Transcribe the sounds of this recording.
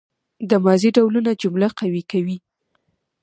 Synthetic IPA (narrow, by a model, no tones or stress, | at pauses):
d̪əmɑziɖawlunad͡ʒʊmlaqawikawi